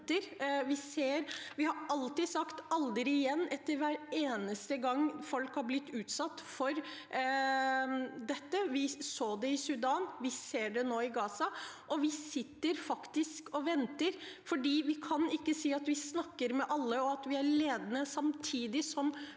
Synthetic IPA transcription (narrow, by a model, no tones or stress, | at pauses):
t̪əɾʋɪseːɾʋɪhɑɾɑlt̪ɪd̪sɑkt̪ɑld̪ɾɪɪjɛnːɛt̪ːəɾʋæːɾeːnəst̪əɡɑŋːfɔlkhɑɾblɪt̪ːʉːt̪sɑt̪ːfɔɾ | d̪ɛt̪ːəʋɪsoːd̪ɛɪsʉd̪ɑːnʋɪseːɖɛnoːɪɡɑːsɑʔɔʋɪsɪt̪ːəɾfɑkt̪ɪskɔʋɛnt̪əɾfɔɖiːʋɪkʰɑnɪkːəsiːɑt̪ʋɪsnɑkːəɾmɛʔɑlːəɔɑt̪ʋɪæɾɭeːd̪ənəsɑmt̪ʰiːd̪ɪsɔm